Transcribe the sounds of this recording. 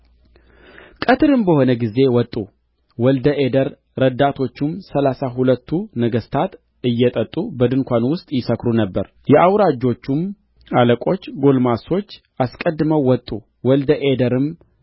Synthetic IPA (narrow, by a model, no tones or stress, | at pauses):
kʼət̪ʰɨɾɨmbəho̞nəɡize̞wɔt̪ʼːu | wɔld̪əʔed̪əɾː | əd̪at̪ʰo̞t͡ʃːumsəlasaɦulət̪ʰːunəɡəst̪ʰat̪ | ɨjːɛt̪ʼət̪ʼːubəd̪ɨnkʷanwʊst̪ʼjɪsəkɾunəbːəɾ | jɛʔawɾad͡ʒːo̞t͡ʃːum | aləkʷʼo̞t͡ʃːɡo̞lmaso̞t͡ʃː | ʔaskʼəd̪ːɨməwːɔt̪ʼːu | wɔld̪əʔed̪əɾɨm